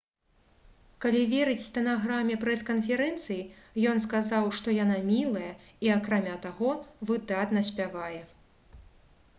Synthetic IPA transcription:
kalʲivʲeɾɨt͡sʲst̪ɐnaɣɾamʲːɛpɾɛskɐnfʲɛɾɛnt̪sɨjijɔnskazawʂt̪ɔjanamʲilˠɐjɐ | iakɾamʲat̪aɣɔvɨd̪at̪nɐsʲpʲavajɛ

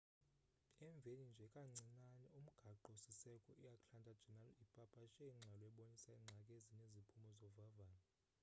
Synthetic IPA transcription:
ɛɱb̪vʱenind͡ʒʱɛkʼaŋ͡ǀʱinanɛum̩ɡ̥ʱaǃosisɛkʼɔ̰ʔijakʼɬandʱad̥ʒ̥ʱɛnalipʼapʼaʃʼɛiŋ͡ǁʱalɔɛɓonisaiŋ͡ǀʱakʼeziɲezipʰumɔzɔvavaːlɔ

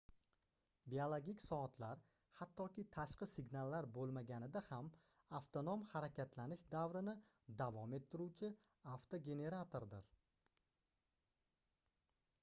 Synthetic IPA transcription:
biolˠoɡʲikʲsɒt̪ʰlaɾ | hat̪ʰːɒkʲɪt̪ʰaʃqɨsɪɡʲnalˠːaɾbolˠmaɡʲanɪd̪aham | aft̪ʰonomhaɾakʲʰat̪lanɪʃd̪avɾɪnɪ | d̪avɒme̞t̪ʰːɪɾut͡ʃʰɪ | aft̪ʰoɡʲe̞ne̞ɾat̪ʰo̞ɾd̪ɪɾ

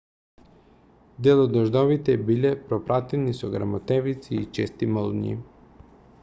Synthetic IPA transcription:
d̪ɛlˠɔd̪ɔʒd̪ɔvit̪ɛbilɛpɾɔpɾat̪ɛnisɔɡɾa̰mɔt̪ɛvit̪siːt͡ʃɛst̪imɔlˠɲḭ

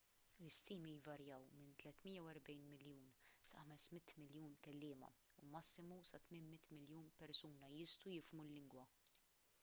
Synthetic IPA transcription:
ɪst̪iːmijvɐɾjɐwmɪnt̪lɛt̪mɪjːɐwɛɾbɛjnmɪljuːnsɐħɐmɛsmɪt̪ːmɪljuːnkɛlːɪːmɐ̰umɐsːɪmusɐt̪mɪnmɪt̪ːmɪljuːnpɛɾsuːnɐjɪst̪ujɪfmulːɪŋɡwɐ

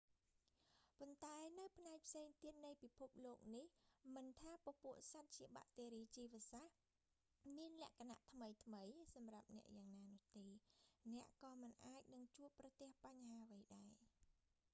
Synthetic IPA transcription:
pont̪aɛnɨwpʰnaɛk̚pʰseːŋt̪iət̪̚nɨjpipʰup̚loːk̚nihmɨnt̪ʰaːpɔ̆puəʔsat̪̚t͡ɕiəɓa̰ʔt̪eːɾiːt͡ɕiːʋə̆əsah | miənlɛ̆əʔkʰana̰ʔt̪ʰməjt̪ʰməjsɑmrap̚nɛ̆əʔjaːŋnaːnʊ̆əht̪eːnɛ̆əʔkɑːmɨnʔaːc̚nɨŋt͡ɕuəpːrɑt̪ĕəhpaɲɦaːʋəjɗaɛ

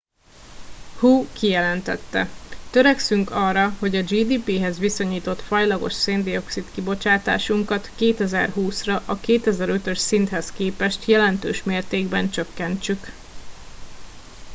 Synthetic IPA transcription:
huːkijɛlɛnt̪ɛ̰t̪ːɛ̰t̪øɾɛksyŋkɒːrːɒho̞ɟɒd͡ʒiːd̪iːpiːɦɛzʋiso̞ɲiːt̪o̞t̪fɒjlɒɡo̞̰ʃseːnd̪io̞ksit̪kibo̞t͡ʃaːt̪a̰ːʃuŋkɒt̪keːt̪ɛzɛrɦuːsrɒʔɒkeːt̪ɛzɛɾø̞t̪ø̞ʃsint̪hɛskeːpɛʃt̪jɛlɛnt̪øːʃmeːrt̪eːɡbɛnt͡ʃø̞kːɛnt͡ʃyk

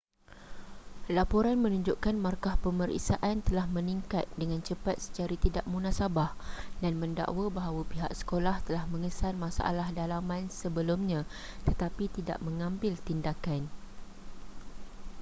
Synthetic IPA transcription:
lapoɾanmə̃nũɲd͡ʒuʔkanmarkahpəməɾḭʔsaʔant̪əlahmə̃niŋkat̪̚dəŋãnt͡ʃəpat̪̚sə̥t͡ʃaɾit̪idaʔmunãsabahdanmə̃nda̰ʔwabaɦawapiɦa̰ksə̥kolaht̪əlahmə̃ŋəsanmãsa̰ʔa̰lahdalamãnsəbəlumɲãt̪ət̪apit̪ida̰ʔmə̃ŋãmbɪlt̪indakan

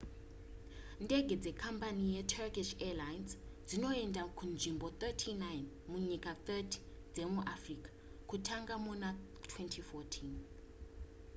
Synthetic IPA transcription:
ntʼɛɡʱɛd͡zɛkʰampʰanijɛtʰɛkʼiʃɛlajnsd͡zinɔɛndʱakʰund͡ʒʱimbɔt̪ɛtʰinajn | muɲikʼat̪ɛtʰi̥ | d͡zɛemuʔafrikʰʼḁ | kʰutʰaŋɡamɔna | tʰwɛntʰifɔtʰin

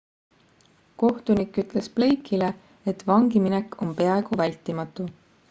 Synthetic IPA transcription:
ko̞ht̪unikːˑyt̪ˑle̞sple̞jkʰːˑile | et̪ːˑvɑŋɡiminekːo̞mpe̞ɑe̞ɡ̥uvælʲt̪ˑːimɑt̪ːˑu

